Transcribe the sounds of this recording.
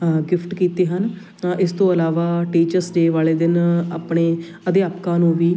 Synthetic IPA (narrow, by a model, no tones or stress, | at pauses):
ɡɪpʰʈkiːt̪eːɦən | ɪst̪õːəlaːʋaːʈiːt͡ʃəɾsd͡ʒeːʋaːleːd̪ɪnaːpɳeː | əd̪jaːpkãːnũːʋiː